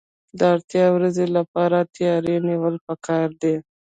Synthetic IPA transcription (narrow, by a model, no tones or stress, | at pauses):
d̪əaɾt̪jɑwɾazelapɑɾat̪jɑɾeniwəlpəkɑɾd̪e